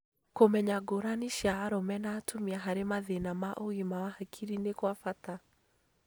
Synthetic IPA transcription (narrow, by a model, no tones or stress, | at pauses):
komɛɲaɡoɾaniʃaːɾɔmɛnaːtʰomiaɦaɾemaðenamaʔoɣimawahakʰiɾinekwafata